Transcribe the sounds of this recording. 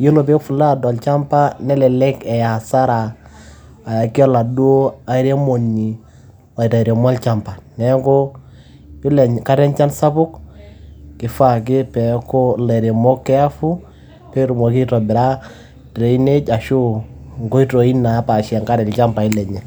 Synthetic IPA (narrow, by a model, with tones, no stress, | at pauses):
je˦lo˨p̬e˦fu˨la˦˨dɔ˨lt͡ʃa˦mpa˦nɛ˦lɛ˨lɛ˦kɛ˨ja˨sa˦ɾaː˨ | a˨kɪ˦ɔ˦la˨du˦o˦a˨˦ɾe˦mo˨ni˨ | wa˨i˨ta˨ɾe˨ma˦lt͡ʃa˦mpa˨nɛ˨˦kɔ˦ | ɪ˦lɛ˨ɲ˨ka˦ɾɛ˦nt͡ʃa˦nsa˦pʊ˦k | kɪ˨fa˦˨k̬ɪ˦pɛ˨kɔ˦lɛ˨ɾe˨mo˦kːɛ˦a˦fu˦ | pɛ˦ɾu˨mo˨ki˦tɔ˨bɪ˨ɾa˦ | tɾe˨i˦ne˦t͡ʃa˨ʃu˦ŋɡo˦i˦tɔ˨i˦na˨˦pa˨ʃɛ˨ŋka˦ɾɛ˨lt͡ʃa˦mpa˨ɪ˦lɛ˨ɲɛ˨